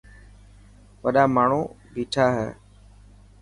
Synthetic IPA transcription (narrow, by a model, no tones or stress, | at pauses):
ʋəɗaːmaːɳ̤uː | biːʈʰaːɦɛ̰ː